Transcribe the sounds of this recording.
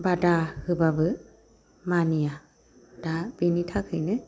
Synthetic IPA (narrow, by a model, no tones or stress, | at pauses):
badahɯbabɯ | manija | d̥ab̥initʰakʰɯjnɯ